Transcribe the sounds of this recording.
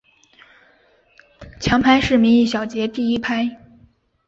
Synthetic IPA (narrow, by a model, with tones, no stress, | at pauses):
t͡ɕʰjɑ˧˥ŋpʰa˥ɪʂɻ̩˥˩mi˧˥ŋi˥˩ɕ̬jɑ˨˩ʊt͡ɕjɛ˧˥t̪i˥˩i˥pʰa˥ɪ